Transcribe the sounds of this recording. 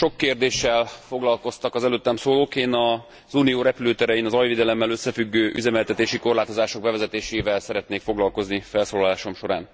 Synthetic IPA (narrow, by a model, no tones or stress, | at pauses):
ʃo̞kːeːrd̪eːʃːɛlfo̞ɡlɒlko̞st̪ɒkɒzɛløːt̪ːɛmsoːloːkeːnɒ | zuːnijoːɾɛpyløːt̪ɛɾɛjinɒzɒjveːd̪ɛlɛmːɛløsːɛfyɡːøːʔy̰zɛmɛlt̪ɛt̪eːʃiko̞rlaːt̪o̞zaːʃo̞ɡ̚bɛvɛzɛt̪eːʃeːvɛlsɛɾɛt̪neːkfo̞ɡlɒlko̞znifɛlsoːlɒlaːʃo̞mʃo̞ɾa̰ːn